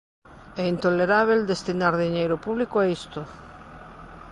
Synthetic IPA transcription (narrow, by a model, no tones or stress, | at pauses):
ɛint̪oleɾaβ̞eld̪est̪inaɾðiɲejɾopuβlikoaist̪ʊ